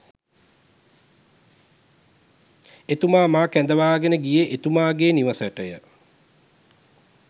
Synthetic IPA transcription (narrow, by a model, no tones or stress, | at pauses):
et̪umaːmaːkænd̪əʋaːɡenəɡijeʔet̪umaːɡeːniʋəsəʈəjə